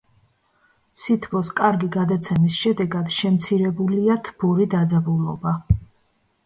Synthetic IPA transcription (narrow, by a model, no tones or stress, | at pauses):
sit̪ʰbɔskʼaɾɡiɡad̪at̪sʰɛmisʃɛd̪ɛɡad̪ʃɛmt̪sʰiɾɛbuliat̪ʰb̥ɔɾid̪ad̪zabulˠɔ̰ba